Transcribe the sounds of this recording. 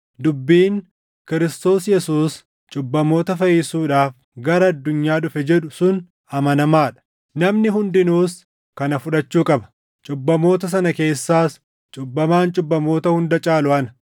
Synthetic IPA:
d̪ʊbːiːŋ | kɪɾɪst̪o̞ːsjɛsuːs | t͡ʃʼʊbːɐmo̞ːt̪ɐfɐjɪsuːᶑaːf | ɡɐɾɐɐd̪ːʊɲːaːᶑʊfɛd͡ʒɛᶑʊsʊn | ɐmɐnɐmaːᶑɐ̥ | nɐmnɪɦʊnd̪ɪnuːs | kɐnɐfʊᶑɐt͡ʃːuːkʼɐbɐ̥ | t͡ʃʼʊbːɐmo̞ːt̪ɐs̬ɐnɐke̞ːsːaːs | t͡ʃʼʊbːɐmaːnt͡ʃʼʊbːɐmo̞ːt̪ɐhʊnd̪ɐt͡ʃʼaːlʊɐnɐ̥

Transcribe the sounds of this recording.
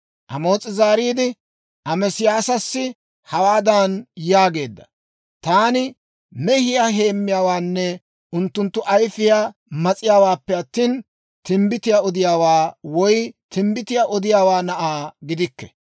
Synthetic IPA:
ʔɐmo̞ːt͡sʼɪzaːɾiːd̪ɪ | ʔɐmɛsɪjaːsɐsːɪ | hɐwaːd̪ɐnjaːɡe̞ːd̪ːɐ̥ | t̪aːnɪ | mɛhɪjaːɦe̞ːmːɪjaːwaːnːɛ | ʊnt̪ːʊnt̪ːʊʔɐjfɪjamɐt͡sʼɪjaːwaːpːɛɐt̪ːiːn | t̪ɪmbɪt̪ɪjaɔd̪ɪjaːwaːwɔjt̪ɪmbɪt̪ɪjaʔɔd̪ɪjaːwaːnɐʔaːɡɪd̪ɪkːɛ̥

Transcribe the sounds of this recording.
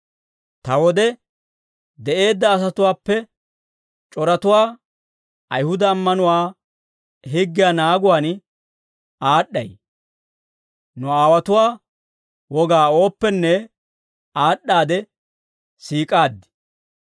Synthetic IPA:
t̪ɐwɔd̪ɛ | d̪ɛʔe̞ːd̪ːɐːs̬ɐt̪ʊwaːpːɛ | t͡ʃʼɔɾɐt̪ʊwaː | ɐjhʊd̪ɐːmːɐnʊwaː | ɦɪɡːɪjaːnaːɡʊwaːn | aːɗːɐ̰j | nʊaːwɐt̪ʊwaː | wɔɡaːo̞ːpːɛnːɛ | aːɗːaːd̪ɛ | siːkʼaːd̪ːɪ̥

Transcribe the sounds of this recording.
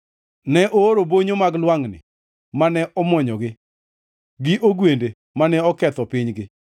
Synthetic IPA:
nɛʔoɾoboɲomaɡlwaŋnɪ̰ | manɛʔɔmɔɲɔɡɪ | ɡɪʔoɡwende | manɛɔkɛt̪ɔpɪɲɡɪ

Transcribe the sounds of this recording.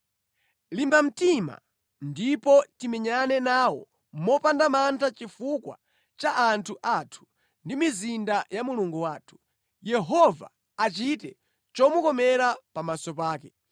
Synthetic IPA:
limbam̩tima̰ | ndipɔtimɛɲanɛnaːwɔ̰ | mɔpandamantʰat͡ʃifukwa̰ | t͡ʃaʔantʰuʔatʰu̥ | ndimizindajamuluŋɡuwaːtʰu̥ | jɛɦɔva̰ː | t͡ʃitɛ | t͡ʃɔmukɔmɛɾapamasɔpaːkɛ

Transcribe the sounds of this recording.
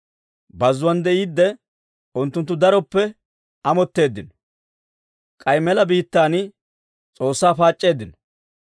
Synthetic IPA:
bɐzːʊwɐnd̪ɛjid̪ːɛ | ʊnt̪ːʊnt̪ːʊd̪ɐɾɔpːɛ | ɐmɔt̪ːe̞ːd̪ːɪnɔ | kʼɐjmɛlɐbiːt̪ːaːnɪ | t͡sʼo̞ːsːaːfaːt͡ʃʼːe̞ːd̪ːɪnɔ

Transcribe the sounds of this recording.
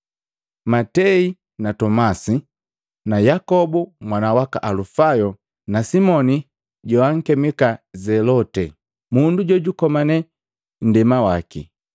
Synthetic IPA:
matɛi | natɔmasi | najakɔbumwanawaka̰ʔalufajɔ | nasimɔni | ɟɔwaŋ̩kɛmɛkazɛlɔtɛ | munduɟɔɟukɔmanɛ | n̩dɛmawakḭ

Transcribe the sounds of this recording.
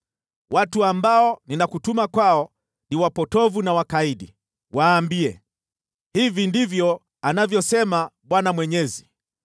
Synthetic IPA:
watuambaɔninakutumakwaɔ | niwapɔtɔvunawakaiɗḭ | waːmbiɛ̰ | hivindivjɔ | anavjɔsɛmaɓwanamwɛɲɛzi

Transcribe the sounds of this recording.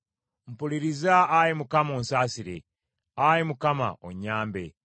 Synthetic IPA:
m̩puliɾizaːjimukamoːnsaːsiɾḛ | aɾimukama̰ʔo̰ɲːaːmbe

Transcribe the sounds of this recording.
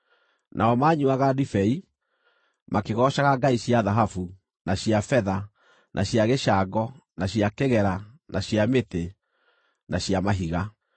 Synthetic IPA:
nʔaɔmaːɲuaɣadifɛi | makeɣɔːɕaɣaɡaiɕjaðaɦafu | naɕiafɛða | nʔaɕjaɣeʃaɡɔnaɕiakeɣɛɾa | naɕiamete | naɕiamaɦiɣa

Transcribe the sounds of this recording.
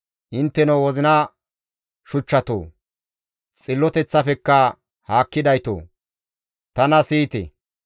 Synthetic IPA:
ʔɪnt̪ːɛnɐwɔzɪnɐ | ʃʊt͡ʃːɐt̪o̰ː | t͡sʼɪlːɔt̪ɛt͡sːɐfɛkːɐ | haːkːɪd̪ɐjt̪o̰ː | t̪ɐnɐsiːt̪ɛ̰

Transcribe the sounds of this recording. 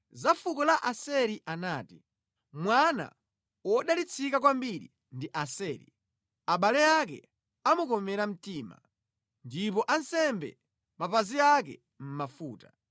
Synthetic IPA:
zafukɔlaʔasɛɾiʔanaːti | mwana̰ | wɔɗalit͡sʰikak̬wambiɾḭ | ndiʔasɛːɾḭ | aɓalɛak̬ɛ̰ | amukɔmɛɾam̩tiːma̰ | ndip̬ɔʔansɛmbɛ̰ | mapaziakɛ̰ | m̩mafuːta

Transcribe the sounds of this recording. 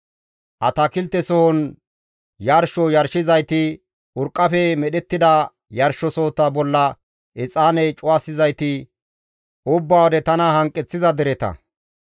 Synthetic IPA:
ʔɐt̪ɐkɪlt̪ːɛsɔhɔn | jɐɾʃɔjɐɾʃɪzɐjt̪ɪ | ʊɾkʼːɐfɛmɛɗɛt̪ːɪd̪ɐ | jɐɾʃɔsoːt̪ːɐbɔlːɐ | ʔɪt͡sʼaːnɛjt͡ʃʼʊwaːsɪzɐjt̪ɪ | ʊbːaːwɔd̪ɛt̪ɐnɐhɐŋkʼːɛt͡sːɪzɐd̪ɛɾɛt̪ɐ̰

